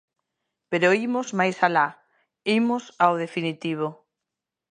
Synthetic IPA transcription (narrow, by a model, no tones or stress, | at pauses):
peɾoimʊzmajsala | imʊsawð̞efinit̪iβ̞o